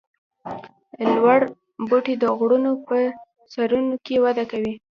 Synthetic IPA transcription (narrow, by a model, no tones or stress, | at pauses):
lwaɽ | boʈed̪əɣɽunopə | saɾunokewad̪akawi